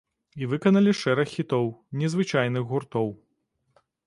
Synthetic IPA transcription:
ivɨkɐnɐlʲiʂɛɾɐxːʲit̪ɔwnʲɛzvɨt͡ʂajn̪ɨɣɣurt̪ɔw

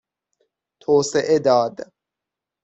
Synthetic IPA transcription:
t̪ʰoːseʔed̪ɒːd̪

